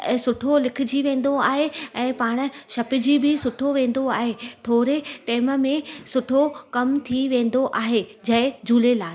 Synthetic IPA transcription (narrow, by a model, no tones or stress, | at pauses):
sʊʈʰolɪkʰɪd͡ʑiʋẽːn̆d̪oaːɦeɛ̃ːpaːɽ̃̆ʃɐpɪ̆d͡ʑiːbɪsʊʈʰoʋẽːn̆d̪oaːɦet̪ʰoːɾeʈɛːmmẽsʊʈʰokɐmt̪ʰiʋẽːn̆d̪oʔaːɦed͡ʑɐɪd͡ʑʱuːlelaː